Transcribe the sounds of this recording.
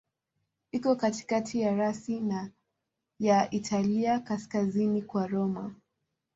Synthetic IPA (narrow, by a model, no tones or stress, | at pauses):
ikɔkati̥katʰijaɾasina | jaʔitʰaliakaskazinikwaɾɔma̰